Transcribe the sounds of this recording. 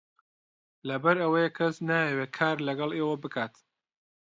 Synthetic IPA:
lɐbɐɾɐwɐjɛkʰɐsnaːjeweːkʰaːɾlɐɡɐlˠeːwɐbɨkʰaːt̪

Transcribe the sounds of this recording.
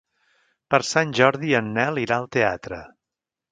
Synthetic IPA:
pəɾsanʲʒɔɾðiənːɛlˠiɾaəlˠt̪eat̪ɾə̰

